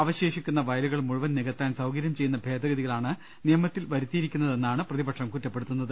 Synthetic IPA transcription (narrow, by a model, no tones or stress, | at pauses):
ɐʋɐɕeːʂikʲːunːɐʋɐjɐluɣɐɭmuɻuʋɐnnːiɣɐt̪ːaːnsɐwkɐɾjɐmt͡ɕe̞junːɐbʱe̞ːd̪ɐɣɐðiɣɐɭaːɳɨ | nijɐmɐt̪ːilʋɐɾut̪ːijiɾikʲːunːɐðe̞nːaːɳɨprɐðibɐʈʂɐmkutːɐpːeɽut̪ːunːɐðɨ